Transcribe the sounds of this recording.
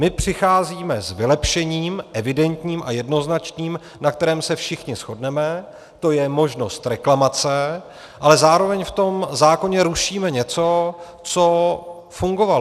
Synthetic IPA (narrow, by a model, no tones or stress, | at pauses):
mɪpr̝̥ɪxaːziːmɛzvɪlɛpʃɛɲiːmʔɛvɪdɛnt̪ɲiːmʔa̰jɛdno̞znat͡ʃɲiːm | nak̚t̪ɛɾɛːmsɛfʃɪxɲɪsxo̞dnɛmɛ | t̪o̞jɛmo̞ʒno̞st̪ɾɛklamat͡sɛ | ʔalɛzaːɾo̞vɛɲft̪o̞mzaːko̞ɲɛɾuʃiːmɛɲɛt͡so̞ | t͡so̞ | fuŋɡo̞val